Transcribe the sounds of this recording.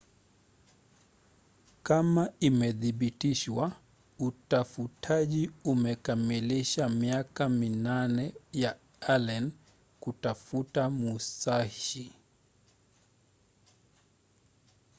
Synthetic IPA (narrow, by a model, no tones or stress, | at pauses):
kamaimɛðiɓitiʃwa | utafutʰaʄiumɛkamiliʃamiakaminanɛja | alɛn | kutafutamusai